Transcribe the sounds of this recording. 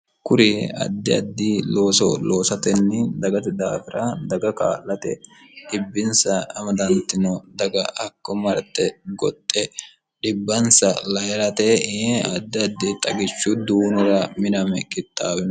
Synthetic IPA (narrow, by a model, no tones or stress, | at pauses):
kʊɾɪɐ̰d̪ːɪɐd̪ːiːlo̞ːsɔ̰loːsɐt̪ɛnːɪd̪ɐɡɐt̪ɪd̪a̰ːfɪɾʔɐd̪ɐɡɐka̰ːlːɐt̪ɛ | ᶑɪbːɪnsɐːmɐd̪ɐnt̪ːɪnɔd̪ɐɡɐɐkːɔmɐɾɐt̪ːɛɡɔt̪ʼːɛ | ɗɪbːɐnsɐlɐjɛɾɐt̪ɛɐd̪ːɪɐd̪ːɪt̪ʼɐɡɪt͡ʃːʊd̪uːnʊɾɐmɪnɐmɛkɪt̪ʼːaːwɪnɔ